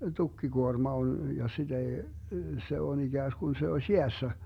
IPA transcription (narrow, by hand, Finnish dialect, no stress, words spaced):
tukːiɡuormɑ on jɑ sid̥ ei se on iɡ̊æːsɡ̊un se osʲ jeæsːæ